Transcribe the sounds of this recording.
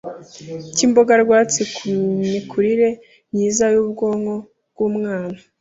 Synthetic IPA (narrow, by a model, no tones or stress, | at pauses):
ciːmbo̞ɡaɾɡwaːt͡sikuɲikʰuɾiɾe̞ | ɲiːzajuːbɡoːŋo̞ | bɡ̥uːmŋaːna